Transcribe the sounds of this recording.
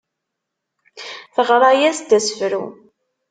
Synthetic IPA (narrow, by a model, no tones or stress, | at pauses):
θəʁɾˤɑjæsd̪æsəfɾṵ